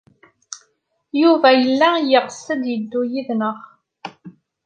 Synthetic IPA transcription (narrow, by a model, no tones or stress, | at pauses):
juvæjəlːæjɪʁəsːəd̪jəd̪ːujiðnəʁ